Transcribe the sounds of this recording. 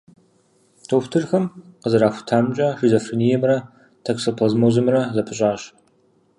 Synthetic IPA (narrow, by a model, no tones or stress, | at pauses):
tʰoːxtʰɨrxɐmqəzɐɾaːxʷʊ̥tʰaːmt͡ʃʼɐʃizofrinijɛmrɐ | tʰeksoːpʰlɐzmoːzɨmrɐzɐpʰɨɕʼaːɕ